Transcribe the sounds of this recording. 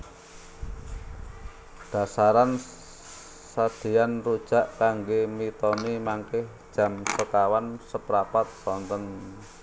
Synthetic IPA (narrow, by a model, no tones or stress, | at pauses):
d̥a̤saɾan | sad̪̥i̤janrud̥ʒ̥a̤ʔkaŋɡemit̪ɔnimaŋkɪhd̥ʒ̥ä̤msəkawansəpɾapat̪̚sɔnt̪ɔn